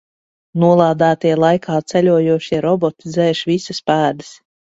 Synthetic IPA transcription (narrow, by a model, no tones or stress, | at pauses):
nuɔlˠaːd̪æːt̪iɛlˠajkʰaːt̪sɛlʲuɔjuɔʃiɛɾɔbɔt̪izɛːʃvisaspæːd̪ɨs